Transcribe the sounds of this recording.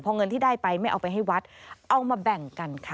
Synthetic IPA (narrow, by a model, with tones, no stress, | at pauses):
pʰɔ˧ŋɤ˧nt̪ʰiː˥˩daː˥˩jpa˧jma˥˩jʔa˧wpa˧jɦa˥˩jwa˦˥t̪̚ʔa˧wmaː˧bɛ˨˩ŋka˧nkʰa˦˥˩